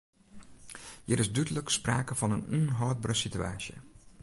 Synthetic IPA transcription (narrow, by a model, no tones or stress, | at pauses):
jəɾɪsdydələkspraːkəfɔnənunɦɔːt̚brəsitya̰ːsjə̰